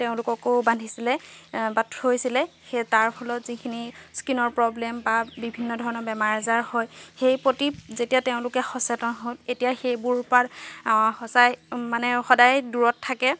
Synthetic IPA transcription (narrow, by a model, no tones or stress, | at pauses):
teʊ̃lʊkɔkobandʱisilɛbatɹojsilɛxetaɹpʰɔlɔtzikʰiniskinɔɹpɹɔblɛmbabibʱinːɔdʱɔɹɔnɔɹbɛmaɹazaɹhojxejpɹotizetijateʊ̃lʊkɛxɔsɛtɔnɦotetijaxejbuɹpatxɔsajmanɛxɔdajduɹɔtʰːakɛ